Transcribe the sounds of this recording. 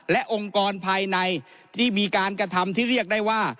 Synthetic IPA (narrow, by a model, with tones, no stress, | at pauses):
lɛ˦˥ʔo˧ŋkɔː˧npʰaː˧jna˧j | t̪ʰiː˥˩miː˧kaː˧nkɾa˧t̪ʰa˧mt̪ʰiː˥˩ɾi˥˩ək̚daː˥˩jwaː˥˩